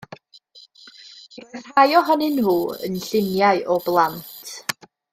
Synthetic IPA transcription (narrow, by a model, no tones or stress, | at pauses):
rɔr̥hajɔɦɔnɪnhuːə̰nɬɪnjaɨʔɔblˠantʰ